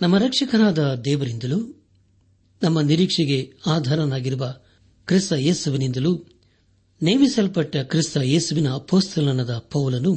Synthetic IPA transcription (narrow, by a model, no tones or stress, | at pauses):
nɐmːɐɾɐkʂɐkɐnaːd̪ɐd̪ɛːʋɐɾind̪ɐlu | nɐmːɐniɾiːkʂɐɡe̞aːd̪ʱaːɾɐnaːɡiɾuʋɐ | kɾist̪ɐje̞ːsuʋinind̪ɐlu | neːmisɐlpɐʈːɐkɾist̪ɐjeːsuʋinɐːpoːst̪ʰɐlɐnɐd̪ɐpɐʋulɐnu